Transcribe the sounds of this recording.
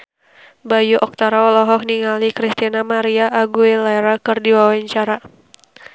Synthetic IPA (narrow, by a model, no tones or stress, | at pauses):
bajuʔɔk̚t̪aɾaɔlɔɦɔk̚niŋalikɾist̪inamaɾiaʔːɡuelaɛɾakɨrdiwawaɲt͡ʃaɾa